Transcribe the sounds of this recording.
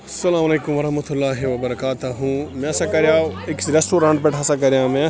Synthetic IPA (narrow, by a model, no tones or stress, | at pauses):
ɐsɐlaːmɐleːkʊmʋɐɾɐɦmɐt̪ʊlːaːɦiʋɐbɐɾɐkaːt̪ɐɦũmɛ̃ɐsãkɐɾjãːɪksɾesʈoːɾãːɳʈpeʈʰaːsãk̬ɐɾjãmɛ̃